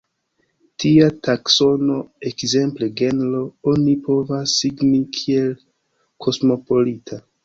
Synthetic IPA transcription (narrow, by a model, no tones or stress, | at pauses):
tiatakso̞no̞e̞kze̞mple̞ɡe̞nloonipo̞vasːiɡnikʰie̞l | kʰo̞smo̞po̞litʰa